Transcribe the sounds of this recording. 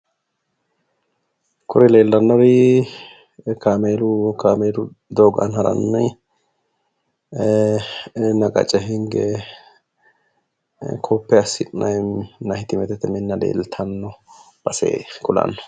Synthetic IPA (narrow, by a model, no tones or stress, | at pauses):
kʊɾɛleːlːɐnːɔwi | kaːmeːlʊkaːmeːlʊ | d̪oːɡɐ̰nhɐɾɐ̰nːɐj | nɐɡɐ̰t͡ʃʼɛɦɪŋɡɛ | kʰɔpːɛɐsːɪʔʼnɐjnɐhɪt̪ɪmɛt̪ɛt̪ːɛmɪnːɐlḛːlt̪ʰɐnːɔ | b̥ɐsḛːkʊlɐ̰nːɔ̥